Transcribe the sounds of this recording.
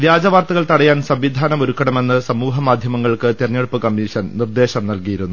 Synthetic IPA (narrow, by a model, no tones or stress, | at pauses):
ʋjaːd͡ʑɐʋaːrt̪ɐɣɐɭt̪ɐɽɐjaːnsɐmʋid̪ʱaːnɐmoɾukːɐɽɐme̞nːɨsɐmuːɦɐmaːd̪ʱjɐmɐŋːɐɭkɨt̪irɐɲːeɽupːɨkɐmːiʂɐnnird̪e̞ːɕɐmnɐlkijiɾunːu